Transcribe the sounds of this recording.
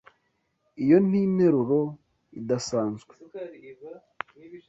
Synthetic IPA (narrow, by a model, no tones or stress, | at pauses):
ijo̞n̥ine̞ɾuɾo̞ | idasaːnzɡwe